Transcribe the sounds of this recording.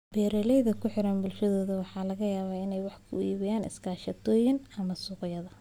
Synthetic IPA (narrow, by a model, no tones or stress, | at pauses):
bɛːɾɛlɛjðɐkʰʊħɪɾɐnbʊlʃɐðɔːðɐwɑħɑːlɐɣɐjaːβaːɪnɛjwɑħkʰʊ̰iːβɪjaːnɪ̰skʰaːʃɐt̪ʰɔːjɪnɐmɐsʊqjɐðɐ